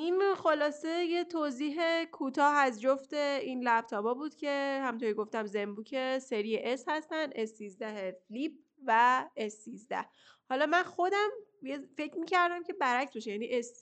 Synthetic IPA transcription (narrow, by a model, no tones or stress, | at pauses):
ʔinxolɒːse̞je̞t̪ʰoziːɦe̞kʰut̪ʰɒːɦæzd͡ʒoft̪e̞inlæb̥̚t̪ʰɒːbɒːbuːd̪̥cʰe̞hæmunt̪ʰoɾiɡo̞ft̪æmzembuːcʰe̞se̞ɾijeʔeshæst̪ænd̪ʔesːiːzd̪æɦeflib̥̚ | væesːizd̪æ̰h | hɒlɒmænxo̞d̪æmjefe̞cɾmiːcʰæɾd̪æmcʰe̞bæɾæcsbeʃejæniːʔes